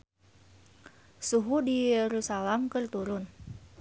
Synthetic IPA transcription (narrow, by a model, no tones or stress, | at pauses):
suɦudijɛɾusalamkərt̪uɾʊn